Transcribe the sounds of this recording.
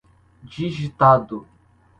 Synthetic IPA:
d͡ʒiʒit̪ad̪ʊ

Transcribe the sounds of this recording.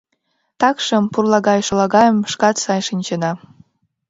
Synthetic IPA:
t̪ɑkʃə̆mpurlɑɣɑjʃolɑɣɑjəmʃkɑt̪sɑjʃinʲt͡ɕənɑ

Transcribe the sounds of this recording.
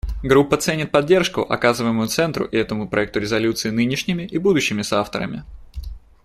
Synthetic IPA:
ɡɾupːət̪sɛnʲɪt̪̚pɐdʲːe̞rʂkʊʔɐ̰kazɨvəɪmʊjʊt̪sɛnt̪ɾʊ̰ʔɪɛt̪əmʊpɾɐɛk̚t̪ʊɾʲɪzɐlʲut̪sɨɪnɨnʲɪʂnʲɪmʲɪʔɪbud̪ʊɕːɪmʲɪsaft̪ə̰ɾə̰mʲɪ̰

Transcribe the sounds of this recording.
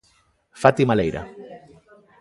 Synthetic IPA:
fat̪imalejɾa̰

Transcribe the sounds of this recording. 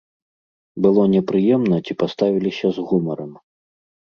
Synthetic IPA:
bɨlˠɔnʲɛpɾɨjɛmnɐt͡sʲipast̪avʲilʲisʲɐzɣumɐɾɐm

